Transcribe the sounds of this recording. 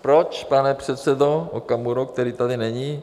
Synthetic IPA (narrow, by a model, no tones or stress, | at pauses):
pɾot͡ʃpanɛpr̥ɛt̪sɛdoʔo̰kamuɾok̚t̪ɛɾiːt̪adɪnɛɲi